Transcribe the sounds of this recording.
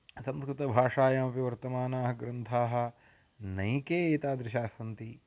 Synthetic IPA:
sɐ̃mskɾɪt̪ɐbʱaːʂaːjɐmɐpiʋɐɾt̪ɐmaːnaːɦɐɡɾɐnt̪ʰaːɦɐ̆ | nɐjkeːeːt̪aːd̪ɾɪʃaːsɐnt̪i

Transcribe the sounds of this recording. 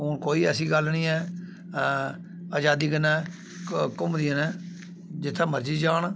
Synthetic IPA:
ɦoːnkoːiːɛːsiːɡəlnĩːɛː | aːd͡ʒaːd̪iːɡənɛː | kʊmd̪iːənɛː | d͡ʒɪt̪ʰːãːməɾd͡ʒiːd͡ʒaːɳ

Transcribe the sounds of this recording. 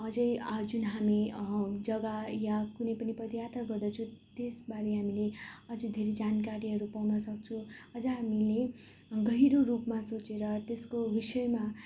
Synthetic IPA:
ʌd͡zʌjd͡zunɦamid͡zʌɡajakunʌjpʌnipʌd̪jat̪rʌɡʌrd̪ʌt͡sʰũt̪esbaɾeɦamileʌd͡zʌjd̪ʱeɾed͡zankaɾiɦʌɾupawnʌsʌk̚t͡sʰũʌd͡zʌɦamile | ɡʌɦiɾoɾupmasot͡seɾʌt̪eskobisʌjma

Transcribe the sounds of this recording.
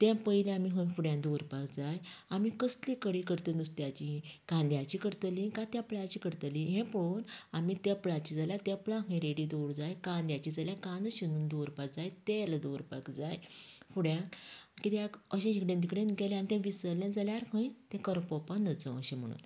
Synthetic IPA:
t̪ɛ̃pəjleamiɦə̃jfuɽjãd̪oɾpakd͡zaj | amiːkəslikəɽiːkəɾt̪ənust̪jat͡ɕikãnd̪jat͡ɕiːkəɾt̪əlĩkat̪japlat͡ɕiːkəɾt̪əlĩɦɛ̃pəonamit̪ɛplat͡ɕid͡zaljat̪ɛplaɦə̃j̃ɾeɽid̪oɽd͡zajkãnd̪jat͡ɕiːd͡zaljakãnəɕinuːnd̪oɾpak̚d͡zajt̪eld̪oɾpa̰kd͡zajfuɽjãkit̪ɛkəɕẽikɽẽnd̪ikɽẽnɡɛlẽanit̪ɛ̃ʋisəɾlãd͡zaljaɾkʰə̃jt̪ɛ̃kəɾpɔpanəd͡zə̃əɕẽm̤ə̰ɽ̃ṵːn

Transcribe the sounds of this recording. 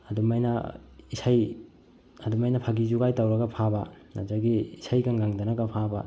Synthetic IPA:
ɐdumajnɐ̰isaj | ɐdumajnɐpʰaɡizuɡajtɐwɾɐɡɐpʰabɐ | nɐ̰zaɡiːsajkaŋɡaŋdɐnɐɡɐpʰabɐ

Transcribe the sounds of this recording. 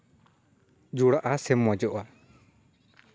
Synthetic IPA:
d͡ʒuɽaʔasɛmːɔd͡ʒɔʔa

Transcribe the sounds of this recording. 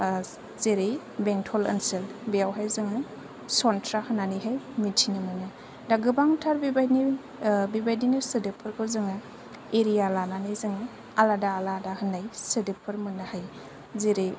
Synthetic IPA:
zeɾe | beŋtʰɔlɐ̰nselbejawɦajzɯŋɯ | sɔntʰɾahɯnaniɦajmitʰinɯmɯnɯ | daɡɯbaŋtʰaɾbibajni | bibajdinɯsɯdepʰɯɾkʰɯzɯŋɯ | eɾijalananajzɯŋɯ | aladaːladahɯnajsɯdepʰɯɾmɯnahaj | zeɾe

